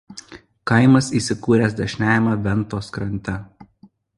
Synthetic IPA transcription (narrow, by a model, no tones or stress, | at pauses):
kɐɪmɐsiːˑsʲɪkuːɾʲæsd̪ɐʃʲnʲæːjɛmɑʋʲɛnˑt̪oːskɾɐnʲt̪ʲɛ